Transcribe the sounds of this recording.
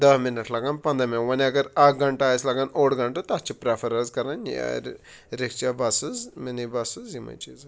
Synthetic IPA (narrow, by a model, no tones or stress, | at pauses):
d̪ɐɦminɐʈʰlɐɡaːnpɐ̃nd̪ɐmẽwɐniɐɡɐɾaɡɐɳʈaːɐslɐɡaːnoːɽɡɐɳʈɨt̪ɐt͡ʃʰipɾapʰɐɾɐzkɐɾɐnjḛ | ɾikt͡ʃabasuzmenibasuzimɐ̰t͡ʃiz